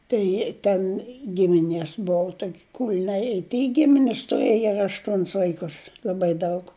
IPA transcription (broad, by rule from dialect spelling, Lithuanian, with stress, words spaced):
ˈtɐɪ tʲɛn ˈɡʲɪmʲɪnʲeːs ˈbʊʋʊ ˈtoːkʲ kʊlʲˈnɐɪ ɪ tʲɪj ˈɡʲɪmʲɪnʲɪs tʊˈrɘjɛ ɐr ɐʃˈtuɔnʲɪs ʋɐɪˈkʊs lˠɐˈbɐɪ ˈdɐʊk